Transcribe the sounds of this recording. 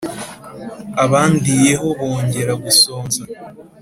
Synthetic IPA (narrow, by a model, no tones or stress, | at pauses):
aβaːndije̞ɦo̞βo̞ːɲɟe̞ɾaɡusoːnza